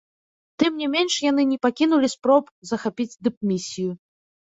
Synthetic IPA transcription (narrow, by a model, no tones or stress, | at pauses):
t̪ɨmnʲɛmʲenʂjan̪ɨnʲɛpakʲinulʲispɾɔp | zɐxapʲid͡zʲd̪ɨp̚mʲisʲiju